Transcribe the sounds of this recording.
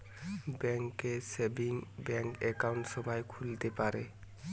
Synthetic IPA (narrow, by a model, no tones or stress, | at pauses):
bɛŋkesebiŋbɛŋkɛkawnʈsɔbajkʰult̪epaɾe